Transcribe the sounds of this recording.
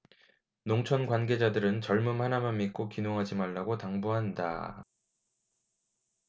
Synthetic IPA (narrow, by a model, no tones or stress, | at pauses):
noŋt͡ɕʰʌnɡwanɡe̞d͡ʑadɯɾɯnt͡ɕʌɭmɯmhanamanmik͈okinoŋɦad͡ʑimaɭːaɡotaŋbuɦanda̰